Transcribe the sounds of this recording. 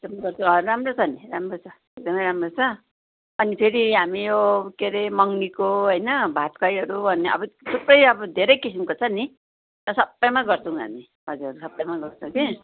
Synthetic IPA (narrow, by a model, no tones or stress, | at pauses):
eɡd̪ʌmʌjɡʌrt͡sʰũʌɾamrot͡sʰʌniɾamrot͡sʰʌ | ek̚d̪ʌmʌjɾamrot͡sʰʌ | ʌnipʰeɾiɦamijokeɾemʌŋnikoɦʌjnʌbʱat̪kʰajɦʌɾubʱʌnːeʌ̰bʌt̪ʰuprʌjʌbʌd̪ʱeɾʌjkisimkot͡sʰʌni | t̪ʌsʌbːʌjmaɡʌrt͡sʰʌw̃ɦa̰mi | bʌd͡ziʌɾusʌbːʌjmaɡʌrt͡sʰʌw̃ke